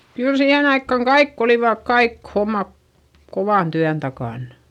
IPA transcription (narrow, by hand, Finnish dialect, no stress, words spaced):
kyl siːhen ɑikːɑŋ kɑikː oliʋɑˑk kɑik homːɑ koʋɑˑn tyæn tɑkɑˑn